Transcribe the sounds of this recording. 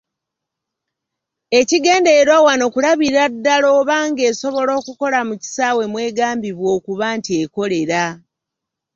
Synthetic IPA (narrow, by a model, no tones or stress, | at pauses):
e̞ciɡe̞ːndeːɾwawano̞kulaβiɾadːalo̞ːβaːŋɡe̞ːso̞βo̞lo̞ːkuko̞lamuci̥saːwe̞mwe̞ːɡaːmbiβwo̞ːkuβaːntie̞ko̞le̞ɾa